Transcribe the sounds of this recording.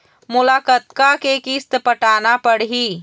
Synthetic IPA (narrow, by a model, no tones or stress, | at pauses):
mʊlakət̪kakekist̪pəʈaːnapəɽɦi